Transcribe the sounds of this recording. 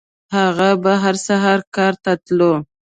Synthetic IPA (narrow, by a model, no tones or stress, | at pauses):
haɣabaɦaɾsaɦɑɾkɑɾt̪at̪lo